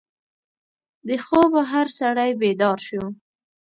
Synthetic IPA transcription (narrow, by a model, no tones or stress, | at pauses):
d̪əxobaɦaɾsaɽajbed̪ɑɾʃu